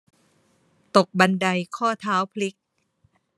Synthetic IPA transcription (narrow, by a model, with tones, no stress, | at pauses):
t̪o˨˩k̚ba˧nda˧jkʰɔː˥˩t̪ʰaː˦˥wpʰli˦˥k̚